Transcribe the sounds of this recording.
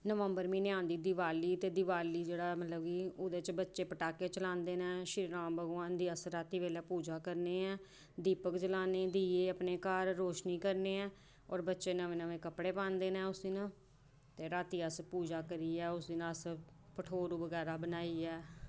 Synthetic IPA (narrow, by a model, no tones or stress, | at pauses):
nəʋəmbəɾmĩːnɪãːnd̪iːd̪iʋaːliːt̪eːd̪iʋaːliːd͡ʒeːɽaːmət̪ləbkiːoːd̪eːt͡ʃbətːʃeːpəʈaːkeːt͡ʃəlãːnd̪eːnɛ̃ːʃɪɾɾãːmbəɡãːnd̪iːəsɾaːt̪iːʋeːlɛːpuːd͡ʒaːkəɾneːɛ̃ː | d̪iːpəkd͡ʒəlaːneːd̪iːeːəpneːkaːɾːoːʃniːkəɾneːɛ̃ː | ɔːɾbətːʃeːnəʋẽːnəʋẽːkəpɽeːpãːnd̪eːnɛ̃ːʊsiːnə | t̪eːɾaːt̪iːəspuːd͡ʒaːkəɾiːɛːʊsd̪iːnəəs | pəʈʰoːɾuːbəɡɛːɾaːbənaːiːɛː